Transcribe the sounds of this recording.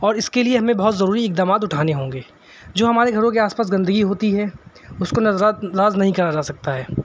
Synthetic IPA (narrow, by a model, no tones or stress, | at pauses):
ɔːɾɪskelieɦɐmẽbɐɦʊt̪zɐɾuːɾiɪk̚d̪aːmaːt̪ʊʈʰaːneɦõːŋɡeː | d͡ʒoːɦɐmaːɾeɡʱɐɾõkeaːspaːs̬ɡɐ̃nd̪əɡiɦoːt̪iɦɛ | ʊskonɐzɾaɾaːznɐɦĩkɐɾad͡ʒaːsɐk̚t̪aɦɛː